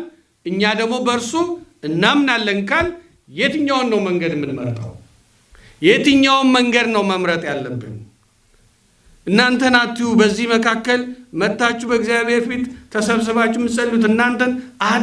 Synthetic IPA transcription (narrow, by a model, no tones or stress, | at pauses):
ʔɨɲːad̪əɡmo̞bəɾsuɨnːamnalːənkʰal | jet̪ɨɲːawnːəwməŋɡəd̪ɨmːɨnmə̰ɾt̪ʼa̰w | jet̪ɨɲːawnməŋɡəd̪nəwməmɾət̪ʼjalːəbːɨ̰n | ʔɨnːant̪ʰənat̪ːihubəzːihməkʰakːəlmət̪ːat͡ʃːubəɨɡzijaβe̞ɾfit̪ʰːəsəβs̬ɨβat͡ʃːumːɨsʼəlːut̪ɨnːant̪ʰənʔahn